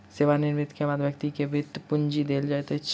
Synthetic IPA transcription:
seːʋanɪɾmɪt̪kebaːd̪ʋjɐk̚t̪ikebʱɪt̪ːpʊɲd͡ʒid̪eːld͡ʒaːɛt̪ɛt͡ʃ

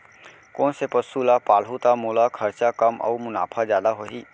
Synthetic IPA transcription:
kõːnsepəsuːlapaːlɦut̪amoːlakʰəɾt͡ʃakəmɔ̰ːmʊna̰ːpʰazjaːd̪aɦoːɦiː

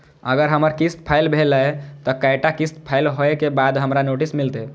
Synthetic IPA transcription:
əɡəɾɦəməɾkist̪̚pʰajlbʱeləet̪ɔkajʈakist̪̚pʰailɦoekebad̪ɦəmɾanoʈismilt̪e

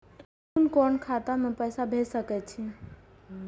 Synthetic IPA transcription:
kunkɔːnkʰat̪amẽpəjsabʱesəkɛt͡ʃʰi

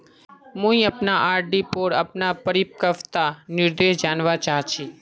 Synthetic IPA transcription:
mũĩəpnaʔaːɾɖipoːɾəpnapəɾip̚kəʋt̪anɪɾd̪eʃd͡ʒaːnʋat͡ʃaːɦt͡ʃʰi

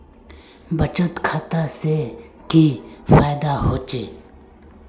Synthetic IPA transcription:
bət͡ʃət̪kʰaːt̪ase | kifaːjd̪aɦoːt͡ʃeː

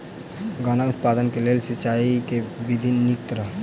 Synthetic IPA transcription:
ɡaːnaʊt̪̚paːd̪ənkeleːlsɪt͡ʃaːikeʋɪd̪ʱinːɪkt̪ɾə

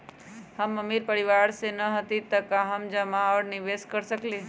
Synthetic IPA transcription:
həməmiɾpəɾiʋaɾsenəɦət̪it̪əkaɦəmd͡ʒəmaɔːɾniʋeskəɾsəkle

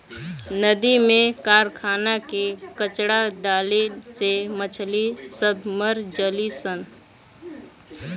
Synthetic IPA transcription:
nəd̪imẽkaːɾkʰaːnakekət͡ʃɽaɖaːlesemət͡ʃʰlisəbʱməɾd͡ʒəlisən

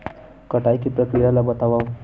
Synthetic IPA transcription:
kʌʈajkiprʌkɾijalajbʌt̪awaw

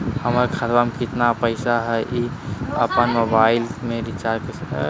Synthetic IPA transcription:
həməɾkʰəɾbamekɪt̪napəɪsaɦɛʔiəpənmobaɪlmẽɾit͡ʃaɾke

